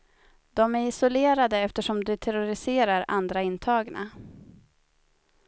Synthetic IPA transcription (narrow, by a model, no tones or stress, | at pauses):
d̪̥ɔmæɾɪsʊleːɾad̪əɛft̪əʂɔmd̪ɵt̪ʰɛɾʊɾɪseːɾaɾa̰nd̪ɾaɪnt̪ʰɑːɡna̰